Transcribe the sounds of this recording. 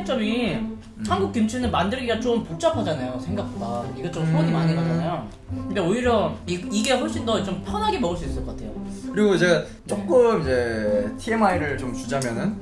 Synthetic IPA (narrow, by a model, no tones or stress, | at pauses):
et͡ɕ͈ʌmi | hanɡuk͈jumt͡ɕʰunɯnmandɯɭɡiɡat͡ɕompot͡ɕ͈apʰad͡ʑanajosʰe̞ŋɡak̚pʰadaiɡet͡ɕosʰoaɲimaɲeɡad͡ʑanajo | kɯndeoiɾjʌiiɡe̞hoɭɕ͈indʌt͡ɕompʰjʌnɦaɡe̞mʌɡɯɭs͈uis͈ɯɭk͈ʌk͈atʰe̞jokɯɾiɡot͡ɕe̞ɡa | t͡ɕ͈ok͈ɯmid͡ʑe̞tʰie̞maiɾɯɭt͡ɕomt͡ɕud͡ʑamjʌnɯn